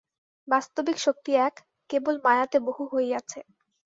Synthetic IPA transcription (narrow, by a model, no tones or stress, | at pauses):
bast̪obikʃok̚t̪iɛkː | ebolmaeat̪eboɦuɦoejat͡ɕʰe